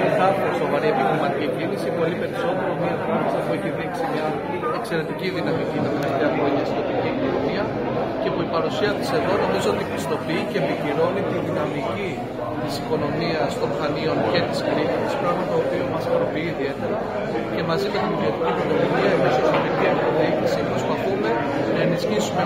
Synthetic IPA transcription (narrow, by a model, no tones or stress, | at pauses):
etɐfoɾiso̞vɐɾie̞piçɾimɐt̪icicinisipo̞lipe̞ɾiso̞t̪e̞ɾomifɾɐmɐsipueçiðiksimɲɐ | e̞kse̞ɾe̞t̪iciðinɐmicinɐmeleft̪eɐxɾo̞ɲɐst̪inop̪iciikono̞miɐ | ce̞puipɐɾusiɐt̪i̥se̞ðo̞no̞mizo̞o̞t̪ibist̪o̞piicepiçiɾo̞nit̪iðinɐmici | t̪isiko̞no̞miɐst̪o̞mxɐnio̞nce̞t̪iskɾiçit̪i̥spɾɐɣmɐt̪oːpiomɐsɐɾo̞piiːðie̞t̪e̞ɾɐ | ce̞mɐzimet̪imoot̪icit̪inololiɐemesɐoɾiciɐpoðiçisipɾo̞spɐθume̞ | nɐe̞nisçisume